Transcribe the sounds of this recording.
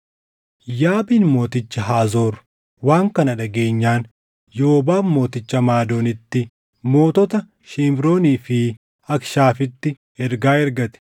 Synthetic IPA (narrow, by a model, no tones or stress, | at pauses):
jaːbiːnmo̞ːt̪ɪt͡ʃːɐɦaːzo̞ːɾ | waːŋkɐnɐᶑɐɡe̞ːɲːaːn | joːbaːnmo̞ːt̪ɪt͡ʃːɐmaːd̪o̞ːnɪt̪ːɪ | mo̞ːt̪ɔt̪ɐ | ʃɪmbɾo̞ːniːfɪ | ɐkʃaːfɪt̪ːɪ | ɛɾɡaːɛɾɡɐt̪ɛ̥